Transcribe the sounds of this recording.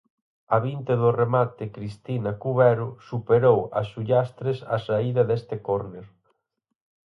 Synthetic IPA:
ɐβint̪eðʊremat̪ɪkɾist̪inɐkuβɛɾʊsupeɾowɐ̰suʎast̪ɾesɐsaiðɐðest̪ɪkoɾneɾ

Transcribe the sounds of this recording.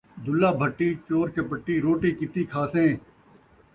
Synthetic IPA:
d̪ʊlːaːbʱəʈːiːt͡ʃoːɾkeːpəʈːiːɾoːʈiːkɪt̪iːkʰaːsẽː

